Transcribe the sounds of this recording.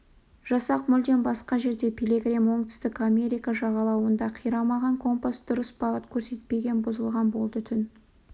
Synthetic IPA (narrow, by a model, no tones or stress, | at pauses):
ʒ̥ɑsɑqmʏld̪e̞nbɑsqɑʒe̞ɾd̪e̞pʲʰeleɡrʲemwo̞ɴt̪ʰʏ̥st̪ɪkamʲe̞ɾikaʒɑʁɑlˠɑwənd̪ɑqʰijɾɑmɑʁɑŋkʰo̞mpasd̪̥ʊɾəsbɑʁət̪kʲʰɵɾse̞t̪̚pe̞ɡʲe̞nbʊzəlˠʁɑnbo̞lˠd̪ət̪ʰʏn